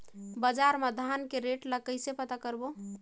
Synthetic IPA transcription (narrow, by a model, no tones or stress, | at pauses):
bəd͡ʒaɾmed̪ʱankeɾeʈləkəjsepət̪akəɾbo